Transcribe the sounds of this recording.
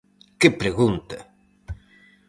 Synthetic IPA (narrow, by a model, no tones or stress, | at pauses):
kɪpɾeɣunt̪ɐ